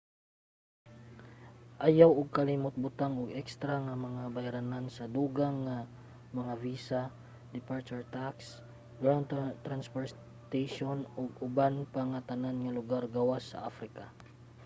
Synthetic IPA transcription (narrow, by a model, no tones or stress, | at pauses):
ʔajawʊɡ̚kɐlimʊt̪̚bʊt̪aŋʊɡɛkst̪ɾaŋamɐŋabajɾanansɐd̪uːɡaŋːa | mɐŋaviːsa | d̪ɪpaɹt͡ʃʊɹt̪aks | ɡɾawnt̪ɾanspoɹs | t̪ajʃonʊɡ̚ʊbanpaŋat̪ananŋalʊɡaɾɡawasːɐ̰ʔafɾɪka